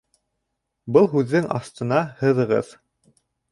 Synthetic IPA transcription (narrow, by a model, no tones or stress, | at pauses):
bɤlˠɦʉðːɘŋɑ̰st̪ɤ̆nɑhɤ̆ðɤ̆ʁɤ̰ð